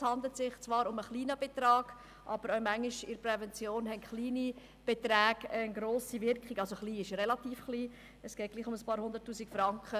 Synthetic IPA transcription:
shɑndl̩tsɪχt͡svɑːɾʊməχliːnəb̥et̪ɾɑːɡ̥ | ʔɑb̥əɾœʊmæŋiʃɪɾprɛvɛnt͡sjoːnɦɛntχliːni | b̥et̪ɾæːɡ̥ənɡɾoːsivɪɾkχiɡɑlsoχliːɪʃrɛlɑt̪iːfχliː | ɛsɡ̥ɛːt̚ɡ̥liːχʊməspɑːɾhʊnd̪əɾtːuːsikfɾɑŋkχə

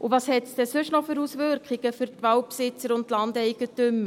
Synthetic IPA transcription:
ʔuvɑːshɛtsd̥ɛsʉʃnɔfʏɾusʋʏɾkχiɡ̥əfʏɾtʋawpsɪt͡səɾʊntlɑndɛɪɡ̥ətʏmːə

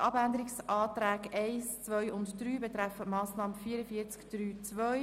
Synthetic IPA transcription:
ʔɑbænd̪əɾiksʔɑːt̪ɾæːkɛɪst͡svœʏʊntd̥ɾyːbɛt̪ɾæfətmɑːsnɑːməfiːəɾəfiːət͡skd̥ɾyːt͡sʋœj

